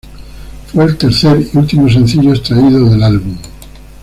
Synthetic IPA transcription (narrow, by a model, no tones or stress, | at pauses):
fweːlt̪e̞ɾθeɾiult̪imos̬ẽ̞n̟θiʎoest̪ɾaiðoðelalβum